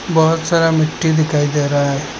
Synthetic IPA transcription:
bɔɦʊt̪saːɾamɪʈːid̪ɪkʰaːid̪eːɾaɦaɦe

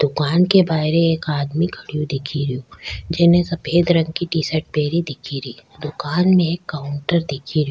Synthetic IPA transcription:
d̪̥ʊkaːnkebaːɪɾeeːkaːd̪mikʰɐɽijũd̪ɪkʰiɾijũd͡ʒɪnẽsɐpʰeːd̪ɾɐ̃ŋɡkiʈiːsəɾʈ̚peːɾid̪ɪkʰiɾiːd̪ʊkaːnmẽeːkːaːʊɳʈəɾd̪ɪkʰiɾi

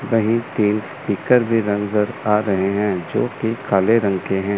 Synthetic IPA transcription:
ʋɐɦĩt̪iːnspiːkəɾbʱiɾɐ̃ŋzəɾaːɾɐɦeɦɛ̃ːd͡ʒoːkikaːleɾɐ̃ŋkeɦɛ̃ː

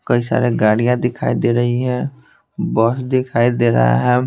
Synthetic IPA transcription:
kɐisa̰ːɾeɡaːɽijãd̪ɪkʰaːid̪eːɾɐɦiɦɛ̃ː | bɔːsd̪ɪkʰaːid̪eːɾɐ̰ɦa̰ɦɛː

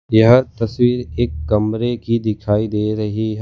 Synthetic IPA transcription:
jɐɦət̪ɐswiːɾeːkːɐmɾekid̪ɪkʰaːid̪eːɾɐɦiɦɛ

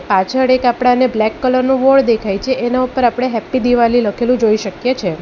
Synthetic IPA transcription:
pat͡ʃʰəɽekapɽ̃aneblɛkːələɾnũʋoɽd̪ekʰajt͡ʃʰeenaupəɾapɽ̃eɦɛpːid̪iʋaliləkʰelũd͡ʒoiʃəkjet͡ʃʰe

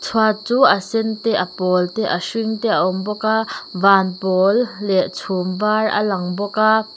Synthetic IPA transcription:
t͡sʰwat͡suːɐsɛnt̪ɛʔɐpɔːlt̪ɛʔɐsiŋt̪ɛʔaʔɔmbɔkaːvaːnpɔːlːɛʔt͡sʰumvarɐ̰laŋbɔka

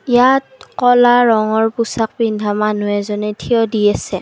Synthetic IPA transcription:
ijatkɔlaɹɔŋɔɹpusak̚bindʱamanʊɛzɔnɛtʰiɔdijasɛ

